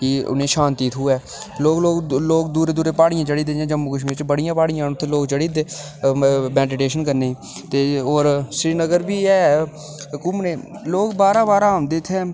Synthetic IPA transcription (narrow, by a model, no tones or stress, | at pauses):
kɪʊ̰nẽːʃãːnt̪iːt̪ʰɦʊɛː | loːkloːkloːkd̪uːɾeːd̪uːɾeːpaːɽɪjãːt͡ʃəɽiːd̪ejãːd͡ʒəmːuːkəʃ̬mĩːt͡ʃbəɽɪjãːpaːɽɪjãːʊt̪ʰːeːloːkt͡ʃəɽiːd̪eː | bɛ̃ːnʈɪʈeːʃənkəɾnẽː | t̪eːoːɾsɾiːnəɡəɾbiːɛː | kʊmneːloːkbaːɾãːbaːɾːmd̪ɪt̪ʰɛː